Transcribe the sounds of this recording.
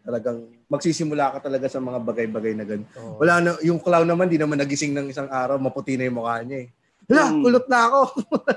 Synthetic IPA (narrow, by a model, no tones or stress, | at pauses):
t̪ɐlɐɡaŋ | mɐɡ̚siːsɪmʊlaːkɐt̪ɐlɐɡasɐmɐŋabɐɡajbɐɡajnɐɡɐd̪wɐlaːnɐjʊŋklawnɐmand̪inɐmanːɐɡɪsɪŋnɐŋɪsaŋʔaːɾɐwmɐpʊt̪inɐjʊŋmʊkaːlɲɐɛ | wɐlaʊlʊt̪̚nɐɐko̞